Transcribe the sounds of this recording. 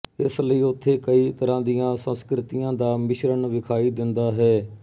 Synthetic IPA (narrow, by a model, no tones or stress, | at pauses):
ɪsləiːʊt̪ʰːeːkəiːt̪əɾãːd̪ijãːsə̃nskɾɪt̪ijãːd̪aːmɪʃɾəɳʋɪkʰaːiːd̪ɪnd̪aːɦɛː